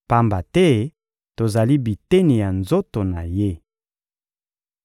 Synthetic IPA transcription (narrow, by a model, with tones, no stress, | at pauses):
pa˦mba˨tɛ˦ | to˨za˨li˦bi˨te˦ni˨ja˨nzo˦to˨na˨je˦